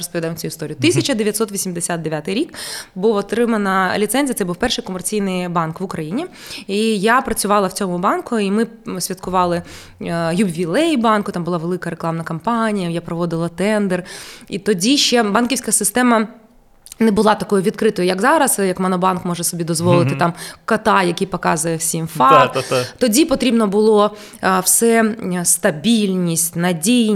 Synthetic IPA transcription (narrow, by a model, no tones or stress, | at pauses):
ɾɔspɔʋʲd̪ajɪmt͡sʲuʊist̪ɔɾʲijʊt̪ɪsʲɐt͡ʃɐd̪eʋʲjɐt̪sɔt̪ʋʲisʲimd̪esʲat̪̚d̪eʋʲjat̪ɪjɾʲikbuʋɔt̪ɾɪmɐnɐlʲit̪sɛnʲzʲiɐt̪sɛbuwpɛrʃɪjkɔmert͡sʲijnɪjbɑnkʋʊkɾɐjinʲi | ijapɾɐt͡sʲʊʋɑlˠɐwt͡sʲɔmʊbɑnkʊimɪ | sʲʋʲɐt̪kʊʋɑlˠɪ | jubʲʋʲilˠɛjbɑnkʊt̪ɑmbʊlˠɑʋelˠɪkɐɾeklˠɑmnɐkɐmpɑnʲijɐjapɾɔʋɔd̪ɪlˠɐt̪ɛnd̪ɛrit̪ɔdʲiʃt͡ʃɛbɑnkʲiwsʲkɐsɪst̪ɛmɐ | nɛbʊlˠɑt̪ɐkɔjʊʋʲit̪kɾɪt̪ɔjʊjɐkzɑɾɐsjɐkmɐnɔbɑnkmɔʒɛsɔbʲid̪ɔzʋɔlˠɪt̪ɪt̪ɑmkɐt̪ɑjɐkʲijpɔkɑzʊjɛwsʲimfɑt̪ɔdʲipɔt̪ɾʲibnɔbʊlˠɔ | wsɛst̪ɐbʲilʲnʲisʲtʲnɐdʲij